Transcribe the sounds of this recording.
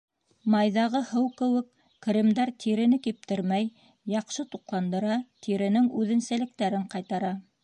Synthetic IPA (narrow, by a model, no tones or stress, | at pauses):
mɑjðɑʁɤhɤwkɘ̆wɘkː | ɾimd̪ɑɾt̪ʰiɾɘ̆nɘkip̚t̪ɘɾmæj | jɑqʃɤt̪uqlˠɑnd̪ɤ̆ɾɑt̪ʰiɾɘ̆nɘŋʉðɘ̆nsælɘ̆k̚t̪æɾɘɴqɑjt̪ɑɾɑ